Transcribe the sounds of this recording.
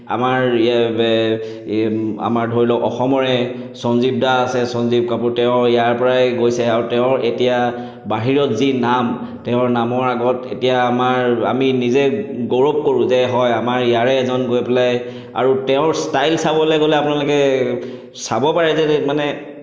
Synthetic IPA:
a̰maɹ | a̰maɹdʱoɹilɔʔɔxɔmɔɹɛsɔnzib̚daːsɛsɔnzib̚kapuɹtɛʊ̃jaɹpɔɹajɡojsɛaɹutɛʊ̃ɹetija | baɦiɹɔtzinam | tɛʊ̃ɹnamɔɹaɡɔtḛtijaːmaɹa̰minizɛɡoɹob̚koɹũzɛɦɔjamaɹijaɹɛːzɔnɡojpɛlaj | a̰ɹutɛʊ̃ɹstajlsabɔlɛɡolɛapʊunalokɛ | sabɔpaɹɛzɛmanɛ

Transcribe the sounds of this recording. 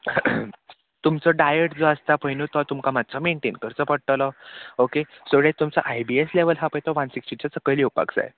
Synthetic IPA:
t̪umt͡sɔɖajəʈd͡zoəst̪apəjnut̪ɔt̪umkamad̪t͡sɔmeɳʈenkəɾt͡sɔpəɽt̪lɔokesoɡɭet̪umt͡sa̰ʔajbiesleʋəlɦapəjt̪ɔʋansiksʈit͡ɕasəkəjliwpa̰ksa̰j

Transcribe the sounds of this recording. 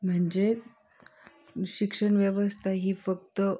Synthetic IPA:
m̤əɳd͡ʑe | ɕikʂəɳʋjəʋəst̪ʰaɦiːfək̚t̪ə

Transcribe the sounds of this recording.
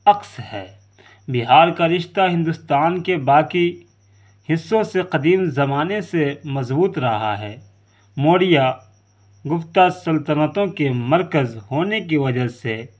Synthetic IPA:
ɐqshɛ̰ː | bɪɦaːɾkaɾɪʃt̪aɦɪ̃nd̪ʊst̪aːnkebaːki | hɪsːõseqɐd̪iːmzɐmaːnesemɐzbuːt̪ɾɐɦa̰ɦɛː | moːɽɪja | ɡʊft̪asɐlt̪ənət̪õkemɐɾkəzɦoːnek̬iʋɐd͡ʒəse

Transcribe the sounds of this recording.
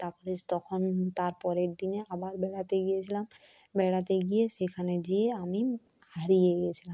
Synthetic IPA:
t̪aɾpɔɾet̪ɔkʰont̪aɾpɔɾeɾd̪ineabaɾbɛɽat̪eɡijet͡ɕʰilam | bɛɽat̪eɡijesekʰaned͡ʑieami | haɾijeɡiet͡ɕʰilam

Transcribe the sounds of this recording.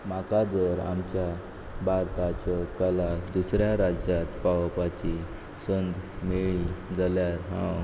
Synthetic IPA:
makad͡zəɾa̰mt͡ɕja | baɾt̪at͡ɕɔkəlad̪usɾjaɾad͡ʑjat̪paʋpat͡ɕi | sənd̪ʱmeɭid͡zaljaɾɦã̰

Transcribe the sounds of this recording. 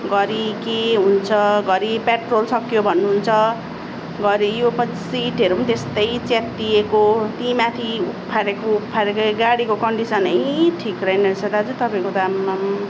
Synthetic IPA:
ɡʌɾikeɦunt͡sʰʌɡʌɾipeʈrolsʌkjobʱʌnːuɦunt͡sʰʌ | ɡʌɾijopʌ | siʈʌɾumt̪est̪ʌjt͡set̪d̪iekot̪imat̪ʰiuppʰːaɾekoupʰaɾekoɡaɽikokʌɳɖisʌnʌjʈʰikrʌjnʌɾsʌd̪ad͡zut̪ʌpaĩkod̪amam

